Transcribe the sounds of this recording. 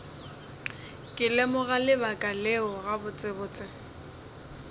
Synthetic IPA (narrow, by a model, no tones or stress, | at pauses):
kʼɪlɛmʊɣalɪbakʼalɪʊɣabʊt͡sʼɪbʊːt͡sʼɪ